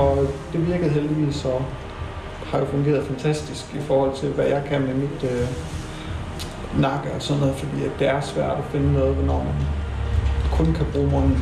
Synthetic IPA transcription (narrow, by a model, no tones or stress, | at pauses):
ɒ̽d̥e̝ʋiɐɡ̥əð̩ˠɦeld̥iʋḭːsɒ̽ | hɑ̈jofɔ̽ŋɡ̥e̝̰ːɐð̞ˠfænt͡sʰæsd̥isɡ̥ifɒːhɒ̽l̰t͡sʰe̝lʋæjɑ̈ɪkʰænmemid̥ø | nɑ̈ɡ̥əɒsɒ̽nnɔ̽ːð̩ˠfɒ̽d̥ḭːæ̥d̥e̝æɐsʋæɐ̰d̥ɒfe̝nənɔ̽ːð̞̩ˠʋenɒ̰ːmæn | kʰɔ̽nkʰæb̥ʁṵːmɔn̩